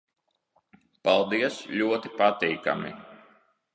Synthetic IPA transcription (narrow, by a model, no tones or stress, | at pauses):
palˠd̪iɛsʎʲuɔt̪ipat̪iːka̰mi